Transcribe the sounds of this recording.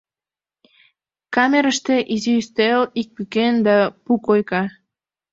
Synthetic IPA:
kɑmeɾəʃt̪eʔiziyst̪elik̚pykend̪ɑpukojkɑ

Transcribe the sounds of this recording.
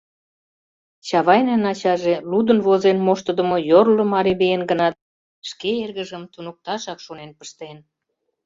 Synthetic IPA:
t͡ɕɑβɑjnænɑt͡ɕɑʒelud̪ə̆nβozenmoʃt̪əd̪ə̆mojorləmɑɾiβejenɡənɑt̪̚ | ʃkeerɣə̆ʒəmt̪unuk̚t̪ɑʃɑkʃonenpə̥ʃt̪en

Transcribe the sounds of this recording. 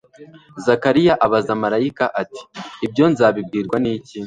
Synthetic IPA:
zakaɾijaʔaβazamaɾajikaʔati̥ːbɟo̞nzaːβib̚ɡiːɾɡwaniːci

